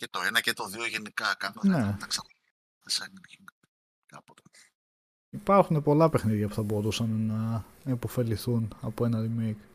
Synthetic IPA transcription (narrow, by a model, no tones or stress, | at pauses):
cet̪o̞enɐcet̪o̞ðioʝenikɐkɐnone̞t̪ɐksɐno | eseninʝin | kɐ̰pot̪o | ipɐɾxune̞po̞lɐpe̞xniðʝɐpuθɐbo̞ɾusɐnnɐepo̞fe̞liθunɐpo̞e̞nɐɾimejk